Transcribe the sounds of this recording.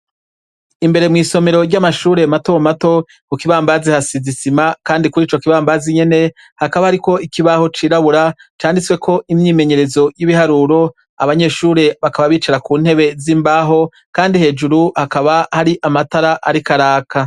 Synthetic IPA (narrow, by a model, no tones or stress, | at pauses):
imbe̞ɾe̞mŋiːso̞me̞ɾo̞ɾɟamaʃuːɾe̞mato̞mato̞ | kukiβaːmbazihasizisimakaːndikuɾiːt͡ʃo̞kiβaːmbaziɲe̞ne̞ | hakaβahaɾiko̞ikiβaho̞t͡ʃiːɾaβuɾat͡ʃaːndit͡swekʰo̞ʔimɲiːme̞ɲe̞ɾe̞zo̞jiβihaɾuɾo̞ | a̰βaɲe̞ʃuːɾe̞βakaβaβiːt͡ʃaɾakuːn̥he̞βe̞ziːmbaːɦo̞ | kaːndihe̞ːd͡ʒuɾuhakaβahaɾiʔamataɾaʔaɾikaɾaːka